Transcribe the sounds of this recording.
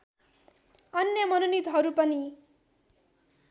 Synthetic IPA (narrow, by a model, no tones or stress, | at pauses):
ʌnjʌmʌnunit̪ɦʌɾupʌni